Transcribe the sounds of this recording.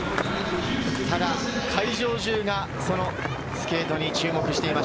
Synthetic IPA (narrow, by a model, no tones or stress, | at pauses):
t̪ad̪akʰaiʑo̞ːʑɨːɡa | so̞no̞ | sɨ̥ke̞ːt̪o̞ɲ̟it͡ɕɨːmo̞kɯ̟ɕi̥t̪e̞ima